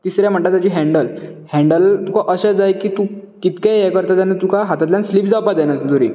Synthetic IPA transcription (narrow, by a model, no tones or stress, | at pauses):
t̪isɾjam̤əɳʈ̪at̪ːjat͡ɕiːɦɛ̃ɳɖəlhɛ̃ɳɖəlt̪ukʰaʔəɕad͡zajkiːt̪ukit̪kaekəɾt̪at̪janːet̪ukʰaɦat̪at̪ljãnsliːp̚d͡zapad̪enat͡sd̪uɾḭ